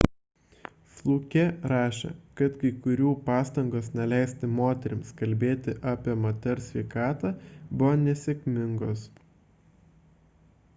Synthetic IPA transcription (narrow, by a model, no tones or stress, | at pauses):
slˠuːkʲɛɾɑːʃʲḛkɐt̪kɐɪkʊɾʲuːpɑːst̪ɐŋɡoːsnʲɛlʲæɪsʲt̪ʲɪmoːt̪ʲɛɾʲɪmskɐlʲbʲeːt̪ʲɪʔɑːpʲiɛmoːt̪ʲɛɾsʲʋʲɛɪkɑːt̪ɑːbʊʋonʲɛsʲɛkʲmʲɪŋɡoːs